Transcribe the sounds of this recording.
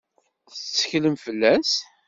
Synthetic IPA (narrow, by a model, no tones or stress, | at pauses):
θət͡sːə̥çləmfəlːæs